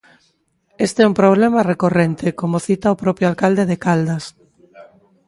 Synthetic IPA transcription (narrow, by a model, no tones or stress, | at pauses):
est̪eɛumpɾoβ̞lɛmarekorent̪ekomoθit̪aopɾɔpɾjoalkald̪eðekald̪as